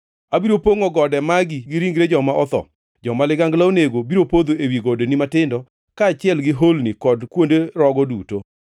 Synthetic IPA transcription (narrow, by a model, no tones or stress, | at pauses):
abiɾopoŋɔɡɔdɛmaɡiɡɪɾiŋɡɾed͡ʒɔmaʔɔt̪ɔ̰ | d͡ʒɔmalɪɡaŋɡlaoneɡobiɾopod̪oewiɡodenimatɪndɔ | kaːt͡ʃɪɛlɡɪɦolnikɔdkwondeɾɔɡɔduto